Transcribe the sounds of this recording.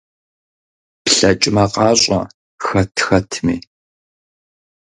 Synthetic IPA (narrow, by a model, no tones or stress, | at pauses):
pɬɐt͡ʃʼɪmɐqɑːɕʼɔ̰ | xɐtʰxɐtʰmiː